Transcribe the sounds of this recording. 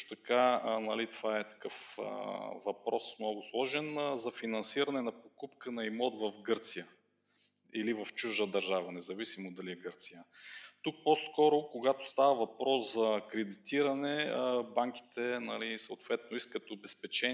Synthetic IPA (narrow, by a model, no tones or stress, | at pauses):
ʃt̪o̥t̪ɐkanɐlit̪ovaɛt̪ɐ̥kɤfə̰vɐpɾɔsmnɔɡʊslˠɔʒɛnzɐfinɐnsiɾɐnɛnɐpokupkənɐimɔd̪vɐfɡɤɾt̪sijə | ilivɐft͡ʃuʒəd̪ɐɾʒavənɛzɐvisimod̪ɐliɛɡəɾt̪sijət̪uk̚pɔskɔɾʊkoɡat̪o̥st̪avəvɐpɾɔszɐkɾɛd̪it̪iɾɐnɛbaŋk̟i̥t̪ɛnɐ̰lisɐʊt̪vɛt̪noiskət̪ʊbɛspɛt͡ʃɛ